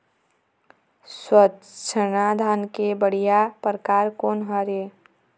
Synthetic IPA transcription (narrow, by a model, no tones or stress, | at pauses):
swət̪t͡ʃʰənad̪ʱankebəɽ̤ijapɾəkaːɾkoːnɦəɾe